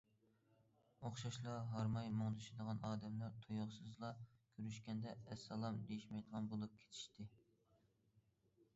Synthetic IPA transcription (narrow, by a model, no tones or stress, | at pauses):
oχʃɑʃlˠɑɦɑɾmɑjmoŋd̪yʃid̪əʁɑnɑːd̪ɛmlɑɾt̪ʰojʊχsɨzlˠɑkʲʰøɾyʃkʲɛnd̪ɛːsːɑlˠɑmd̪ejiʃmɛjd̪əʁɑnbolˠup̚kʲʰe̥t̪ʰi̥ʃt̪ɪ